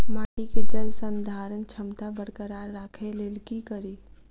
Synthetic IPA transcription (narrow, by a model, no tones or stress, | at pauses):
maːʈiked͡ʒəlsənd̪ʱaːɾənt͡ʃʰəmt̪abəɾkəɾaːɾːaːkʰelelkikəɾiː